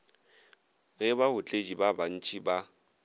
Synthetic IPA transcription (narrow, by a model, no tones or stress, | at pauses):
ɣɪbabʊt͡ɬʼed͡ʒibaban̩t͡ʃʼiba